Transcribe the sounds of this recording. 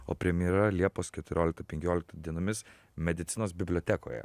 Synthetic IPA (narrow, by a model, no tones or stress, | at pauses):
o̰ːpʲɾʲɛmʲjiɾɐlʲiɛpoːskʲɛt̪ʊɾʲʔoːlʲɪk̚t̪ɐpʲɛŋʲkʲoːlʲɪk̚t̪ɐd̪ʲiɛnomʲɪs | mʲɛd̪ʲɪt̪sʲɪnoːsbʲɪbʲlʲot̪ʲɛko̰ːjɛ̰